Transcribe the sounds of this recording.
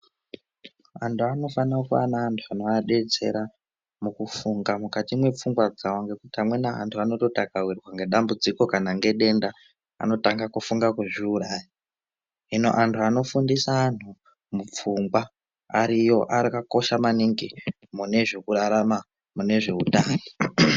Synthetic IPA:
antʰuano̞fanakua̰naːntʰuanoaɗe̞d͡ze̞̰ɾa | mukufuŋɡamukatimwe̞p͡fuŋɡwad͡zawaŋɡe̞kutiamwe̞naa̰ntʰuano̞to̞takawirwaŋɡe̞ɗambud͡ziko̞kanaŋɡe̞ɗe̞nda | a̰no̞taŋɡakufuŋɡakweʐiuɾaːji | ɦino̞̰ʔantʰuano̞fundisaːn̤u | mup͡fuŋɡwaː | ɾijo̞ʔarikako̞ʃamaniŋɡi | mune̞ʐe̞kuɾaɾama | mune̞ʐe̞utaːno

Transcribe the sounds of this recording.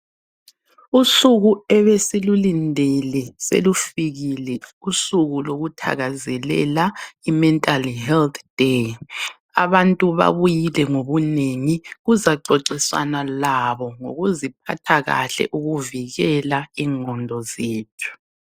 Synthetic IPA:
usuɣuɛβesilulindʱɛlɛsḛlufiɣilɛusuɣuloɣutʰa̰ɣazɛlɛ̰laimɛntʼalhɛlt̪ʰd̥e | aβantʼuβa̰βujilɛŋoβuneŋiɣuzaǀɔǀisa̰nalaβɔŋo̰ɣuzip̚ʰa̰tʰaɣa̰ɬɛ̰ʔuɣuviɣɛlaiŋɔndʱɔzeːtʰu̥

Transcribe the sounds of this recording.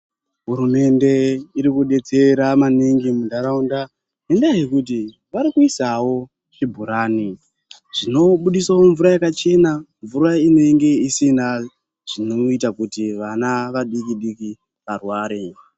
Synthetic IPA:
ɦuɾume̞nde̞iɾikuɗe̞t͡se̞ɾamaniŋɡimudʱaɾaunda | endajekut̬i | ʋaɾikuisawo̞ | t͡ʃibʱuɾaːni | ʐ̥ino̞ɓuɗisawoɱvuɾajakat͡ʃe̞naɱvuɾaine̞ŋɡe̞isina | ʐ̥inoitakutiʋanaʋaɗikiɗiki | ʋarwaːɾe

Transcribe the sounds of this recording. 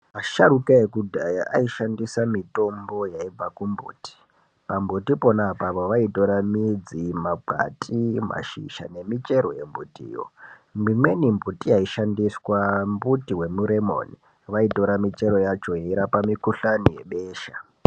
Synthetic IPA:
aʃaɾukaekudʱajaʔaiʃandisamito̞mbo̞jaib͡vakumbṵːti̥ | pambutipo̞napapoʋaito̞ɾamid͡zimaɡʱa̰tʼima̰ʃḭʃa̰ne̞mit͡ʃe̞ɾo̞je̞mbutḭːjo̰ | mimwe̞nimbutiaiʃandiswambutiwe̞muɾemo̰ni | ʋaito̞ɾamit͡ʃe̞ɾo̞jat͡ʃojaiɾapamikuɬanije̞ɓeːʃa

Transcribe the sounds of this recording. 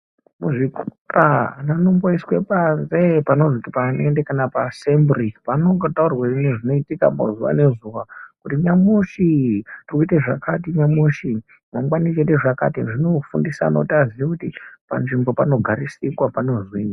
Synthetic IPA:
muʐiku | rananomboiswepazepano̞zoutipanendekanapasembripanotaurawuineʐino̞itika̰mo̰zuwa̰ne̞zuwakutiɲamuʃitirkuiteʐakatiɲamuʃi | moŋɡwanit͡ʃeteʐaka̰tiʐino̞fundisa̰no̰tiaziʋekutipa̰nʐimbo̞pano̞ɡʱaɾisikwapano̞zwina

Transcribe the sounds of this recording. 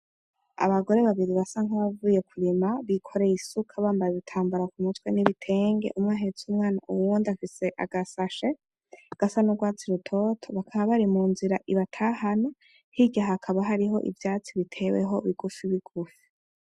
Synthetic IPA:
a̰βaɡo̞ɾe̞βaβiɾiβasaŋhaβavuːje̞kʰuɾimaβikʰo̞ɾe̞isukʰaβaːmbajeβitʰaːmbuɾakumutwe̞niβitʰe̞ːŋɡe̞̰ʔumŋaːɦet͡sumŋaːnaʔuwuːndiafise̞ʔa̰ɡasaʃe̞ | ɡ̥asanuɡwaːt͡siɾutʰo̞tʰo̞βakʰaβaβaɾimuːnziɾaʔiβatʰaːhano | hiɟaɦakʰaβaɦaɾiɦo̞̰ʔḭvjaːt͡siβitʰe̞wḛɦo̞βiɡufiβiɡ̥ufi̥

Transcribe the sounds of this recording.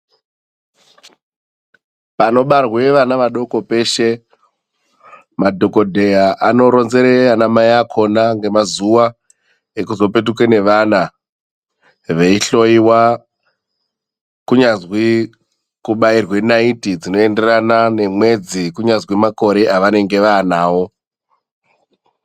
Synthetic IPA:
pano̞ɓarweʋanaʋaɗo̞ko̞pe̞ʃe̞ | madʱo̞ko̞dʱe̞jaʔano̞ɾo̞nze̞ɾeanamajakʰo̞naŋɡe̞mazuʋa | ekuzo̞pe̞t̬ukwene̞ʋana | ʋe̞iɬo̞iwa | kuɲazwi | kuɓairwenaitid͡zino̞ende̞ranane̞mwe̞d͡zikuɲazwimako̞ɾe̞ʔaʋane̞ŋɡe̞ʋaːnaːwo̞

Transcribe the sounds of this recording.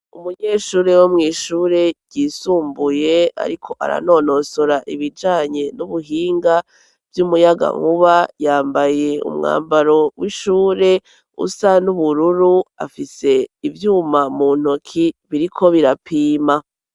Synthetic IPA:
umuɲe̞ːʃuːɾe̞womŋiːʃuːɾe̞ɟɟiːsuːmbuje̞a̰ɾikʰo̞ʔa̰ɾa̰no̞ːno̞soɾaʔiβid͡ʒaːɲe̞nuβuɦiːŋɡa | vjumujaɡa̰ŋuβajaːmbaje̞ṵmŋa̰ːmbaɾo̞wiʃuːɾe̞ | ṵsanuβuɾuɾua̰fise̞ivjuːmamuːn̥okʰiβiɾikʰo̞βiɾapʰiːma

